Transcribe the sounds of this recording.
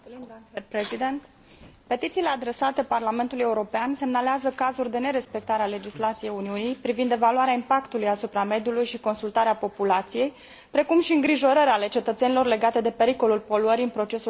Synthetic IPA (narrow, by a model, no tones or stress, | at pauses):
epɾezid̪e̞nt̪ | pe̞t̪it̪sile̞ad̪ɾe̞sat̪e̞parlame̞nt̪ulujeuɾo̞peanse̞mnaleazəkazurʲd̪e̞ne̞ɾe̞spe̞k̚t̪aɾeale̞d͡ʒislat̪sije̞juniunijpɾivind̪e̞valuaɾeaimpakt̪ulujasupɾame̞d̪julujʃiko̞nsult̪aɾeapo̞pulat̪sije̞j | pɾe̞kumʃiɨŋɡɾiʒo̞ɾəɾʲale̞t͡ʃe̞t̪ət̪se̞nilo̞rle̞ɡat̪e̞d̪e̞pe̞ɾiko̞lulpo̞luəɾiɨnpɾo̞t͡ʃe̞su